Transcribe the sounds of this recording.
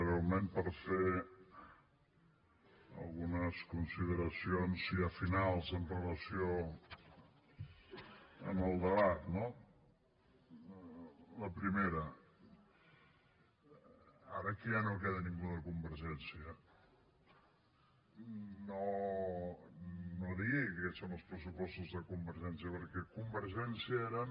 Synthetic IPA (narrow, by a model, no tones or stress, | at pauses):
ɾealˠmempəɾfe | ə̰lˠɣunəskunsið̞əɾəsionziəfinalˠzənrələsio | ə̰məlˠd̪əβat̪no | ləpɾimeɾə | a̰ɾəkijanok̬eðənĩŋɡuðəkumbəɾʒɛnsiə | no | noðiekesonəlˠspɾəsupɔst̪uzðəkumbəɾʒɛnsiəpəɾkɛkumbəɾʒɛnsiəeɾən